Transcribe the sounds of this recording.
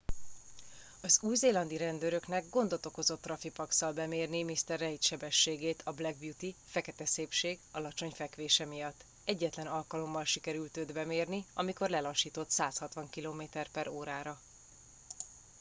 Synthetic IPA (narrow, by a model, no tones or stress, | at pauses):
ɒzuːjzeːlɒnd̪iɾɛnd̪øːɾø̞knɛɡɡo̞nd̪o̞t̪o̞ko̞zo̞t̪ːrɒfipɒksɒlbɛmeːrnimist̪ɛrːɛit̪ʃɛbɛʃːeːɡeːt̪ʰɒblɛɡ̚bjut̪ifɛkɛt̪ɛseːpʃeːɡɒlɒt͡ʃo̞ɲfɛkʋeːʃɛmijɒt̪ː | ɛɟːɛt̪lɛnɒlkɒlo̞mːɒlʃikɛɾylt̪øːd̪bɛmeːrniɒmiko̞rlɛlɒʃiːt̪o̞t̪saːshɒt̪ʋɒŋkiloːmeːt̪ɛrpɛɾoːɾaːɾɒ